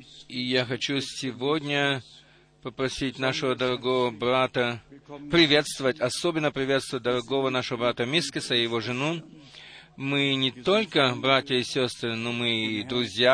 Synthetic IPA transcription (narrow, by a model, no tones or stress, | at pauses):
ijaxɐt͡ɕusʲɪvodʲnʲə | pəpɾɐsʲitʲnaʂəvəd̪əɾɐɡo̞vəbɾat̪əpɾʲɪvʲe̞t̪st̪vəvətʲɐsobʲɪnːəpɾʲɪvʲe̞t̪st̪vət̚ʲd̪əɾɐɡo̞vənaʂəvəbɾat̪əmʲiskəsəjɪvoʐɨnu | mɨnʲɪt̪o̞lʲkəbɾatʲjəɪsʲost̪ɾɨnomɨid̪ɾʊzʲja